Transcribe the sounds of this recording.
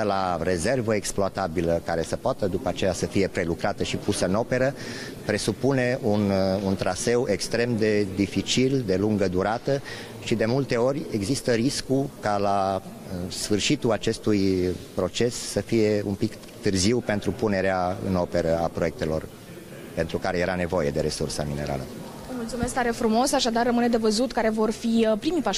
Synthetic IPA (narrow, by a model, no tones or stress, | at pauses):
əlaɾe̞ze̞rvəeksploat̪abiləkaɾe̞səpoat̪əd̪upəat͡ʃe̞jasəfije̞pɾe̞lukɾat̪əʃipusəɨno̞pe̞ɾə | pɾe̞supune̞ʔununt̪ɾase̞wʔe̞kst̪ɾe̞md̪e̞d̪ifit͡ʃild̪e̞luŋɡəd̪uɾat̪ə | ʃid̪e̞mult̪e̞o̞rʲe̞ɡzist̪əɾiskukala | sfɨrʃit̪uat͡ʃe̞st̪ujpɾo̞t͡ʃe̞sːəfije̞ṵmpik | t̪ɨrziwpe̞nt̪ɾupune̞ɾeaɨ̰no̞pe̞ɾəapɾo̞je̞k̚t̪e̞lo̞̰r | pe̞nt̪ɾukaɾeje̞ɾane̞vo̞je̞d̪e̞ɾe̞sursəmine̞ɾa̰lə̰ | əmult̪sumeskt̪aɾefɾumo̞saʃad̪arəmɨne̞d̪e̞vəzut̪kaɾe̞vo̞rfiəpɾimipa